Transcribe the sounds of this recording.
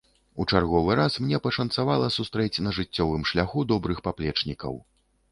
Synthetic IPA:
ut͡ʂarɣɔvɨɾasmnʲɛpɐʂɐnt̪savalˠɐsust̪ɾɛt͡sʲnɐʐɨt͡sʲːɔvɨmʂlʲaxud̪ɔbɾɨxpaplʲɛt͡ʂnʲikɐ̰w

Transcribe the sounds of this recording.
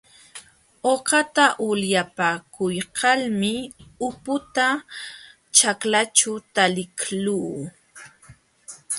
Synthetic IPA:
oqɑt̪aʔʊljapakʊjqɑlmɪʊpʊt̪a | t͡ʃaklat͡ʃʊt̪alɪkluː

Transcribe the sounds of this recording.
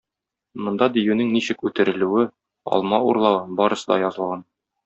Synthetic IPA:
mŏnd̪ɑd̪ijʉnɘŋniɕɘkʉt̪ɘ̆ɾɘ̆lʉwɘ | ɒ̰lˠmɑuɾlˠɑwbɒɾɤ̆sɤd̪ɑjɒzɤ̆lˠʁɑn

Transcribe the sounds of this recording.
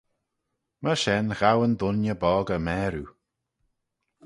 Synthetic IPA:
məʃɛnɣawənd̪ʊnjəbɔːɡəmɛːɾu

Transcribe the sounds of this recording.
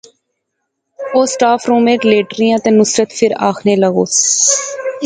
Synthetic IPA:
oːsʈaːfʰɾũːmẽːʈleːʈɾijãːt̪ẽnʊsɾət̪fʰɪɾa̰ːkʰneːləɡoːs

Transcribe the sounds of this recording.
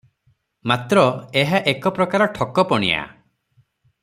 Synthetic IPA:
mat̪ɾɔeɦaʔekɔpɾɔkaɾɔʈʰɔkɔpɔɽ̃ḭa̰

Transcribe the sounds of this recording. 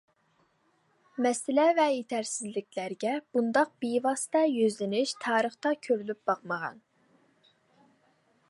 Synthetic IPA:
mɛsɪlɛvɛjet̪ʰæɾsɪzlɪkʲlæɾɡʲɛb̥und̪ɑq̚b̥ijvɑsɨ̥t̪ɑjøzlɪnɪʃt̪ʰɑːɾəχt̪ɑkʲʰøɾylyp̚bɑqməʁɑ̰n

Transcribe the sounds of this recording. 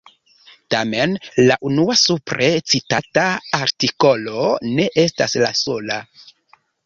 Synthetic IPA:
tame̞nlaʔunuasupɾet͡sitataaɾtiko̞lo̞ne̞ʔe̞staslaso̞la

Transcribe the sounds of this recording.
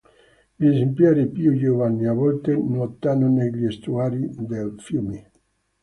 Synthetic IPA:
ʎiezemplaɾipiujovanːiavɔlt̪enot̪ːanoneʎiest̪uaːɾid̪elfjumi

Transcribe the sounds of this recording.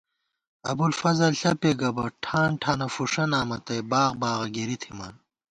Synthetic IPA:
ɐ̰bulfɐzɐlɬɐpeɡɐbɐʈʰaːnʈʰaːnɐfuʂɐnaːmɐt̪ɐjbaːɣbaːʁɐɡeɾit̪ʰimɐn

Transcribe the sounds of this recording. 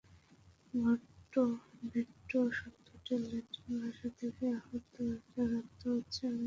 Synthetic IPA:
ɡʱɔʈːobʱiʈːoʃɔt̪ʰːoʈeleʈbʱaʃat̪ʰekeaɦot̪oaɾat̪ːoɦotːɕʰea

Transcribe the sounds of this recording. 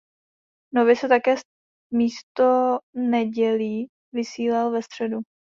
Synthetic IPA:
novɪsɛt̪akɛː | miːst̪onɛɟɛliː | vɪsiːlalvɛst̪r̝̥ɛdu

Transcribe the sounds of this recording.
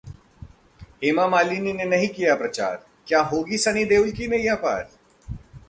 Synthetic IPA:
eːmamaːlininenɐɦĩkijapɾɐt͡ʃa̰ːɾ | kjaːɦoːɡisɐɽ̃id̪eːʊlkinejapa̰ːɾ

